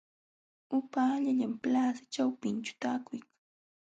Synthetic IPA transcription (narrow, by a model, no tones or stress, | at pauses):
ʊpaːʎaʎamplaːsḁt͡ʃawpɪnt͡ʃʊ̥t̪aːkʊjkḁŋ